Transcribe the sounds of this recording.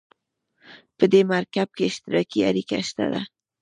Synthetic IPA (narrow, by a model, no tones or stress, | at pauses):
pəd̪emaɾkab̚keɪʃt̪ɪɾɑkiaɾikaʃt̪a̰d̪a